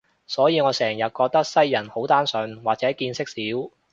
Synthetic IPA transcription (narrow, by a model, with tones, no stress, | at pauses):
sɔː˨˥jiː˨˧ŋɔː˨˧sɛː˨˩ŋjɐ˨t̚kɔː˧k̚t̪ɐ˥k̚sɐ˥jːɐ˨˩nho˨˥wt̪aː˥nsœː˨˧ŋwaː˨k̚t͡sɛː˨˥kiː˧nsɪ˥k̚siː˨˥w